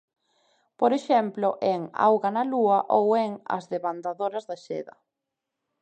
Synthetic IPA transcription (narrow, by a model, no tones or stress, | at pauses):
poɾeʃɛmplʊʔeŋa̰wɣanaluɐʔowɛŋɐ̰zðeβand̪aðoɾɐzðaʃɛ̰ðɐ